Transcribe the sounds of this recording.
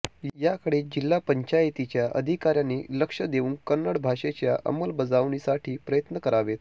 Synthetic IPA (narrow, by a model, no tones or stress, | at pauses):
jakəɽed͡ʑilːapəɲt͡ɕajt̪it͡ɕjaʔə̰d̪ʱikaɾjaniləkʂəd̪euːnkənːəɽbʱaʂet͡ɕjaʔə̰məlbəd͡zaʋɳisaʈʰiːpɾəjət̪nəkəɾaʋet̪